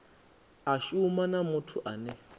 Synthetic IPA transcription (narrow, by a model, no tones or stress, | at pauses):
aʃumanamʊtʰuʔanɛ